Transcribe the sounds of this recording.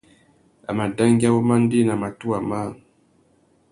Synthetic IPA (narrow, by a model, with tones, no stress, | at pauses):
a̰˨ma˨da˦ŋɡja˦wo˦ma˦n˦di˦na˨ma˨tu˦a˨ma˦